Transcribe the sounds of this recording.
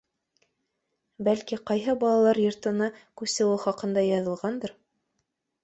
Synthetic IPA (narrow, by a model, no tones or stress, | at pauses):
bælkiqɑjɦɤbɑlˠɑlˠɑɾjŏɾt̪ɤ̆nɑkʉsɘ̆wɘχɑqɤ̆nd̪ɑjɑðɤ̆lˠʁɑnd̪ɤɾ